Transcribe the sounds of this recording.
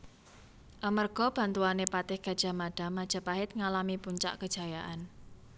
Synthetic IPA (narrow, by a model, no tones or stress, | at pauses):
ʔəmərɡ̥ɔ̤b̥a̤nt̪uanepat̪ɪhɡ̥a̤d̥ʒ̥a̤maɖ̥a̤mad̥ʒ̥a̤paɦɪt̪̚ŋalamipuɲt͡ʃa̰ʔkəd̥ʒ̥a̤jaʔan